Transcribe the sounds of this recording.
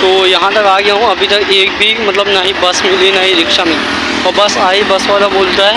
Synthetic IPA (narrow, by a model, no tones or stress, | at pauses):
t̪oːjɐɦãt̪ɐkaːɡɪjaɦũɐbʱit̪ɐkeːk̚bʱimɐt̪ləbnɐɦĩbɐsmɪlenɐĩɾɪkʃamĩ | ɔːɾbɐsaːebɐsʋaːlaboːlt̪aɦɛ